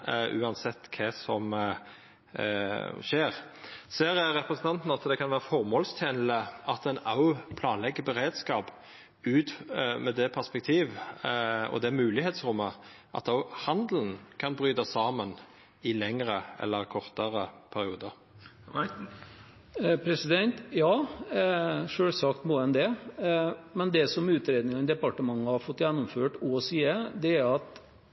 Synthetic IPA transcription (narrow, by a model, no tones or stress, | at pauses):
ʔʉ̰ːɑnsɛt̪ːkʰɛsɔm | ʃeːʁseːɾɾɛpɾəsən̩t̪ɑnt̪n̩ɑt̪d̪ɛkʰɑnʋæːʁəfɔʁmoːlst̪ʰjeːnl̩əɑt̪ɛnɑʊpʰlɑːnlɛɡːəbɛɾeːd̪skɑːp | ʉːt̪mɛd̪ɛpʰæʁspɛk̚t̪ʰiːʋ | ɔ̰d̪ɛmʉːlɪheːt̪sʁʊmːə | ʔɑ̰t̪ɑʊhɑnd̪ln̩kʰɑnbɾyːd̪ɑsɑːmən | ɪlɛŋɾəɛ̰lːəɾkʰɔʁt̪əɾəpʰæɾɪuːd̪əɾ | pʰɾɛsɪd̪ɛnt̪jɑː | ʂøːlsɑkt̪moːɛnd̪ɛ | mɛnd̪ɛsɔmʉːt̪ɾeːd̪nɪŋɑnd̪ɛpɑʈəmɑŋːəhɑɾfɔt̪ːjɛnːʊmføːʈɔsiːəd̪ɛæɾɑt̪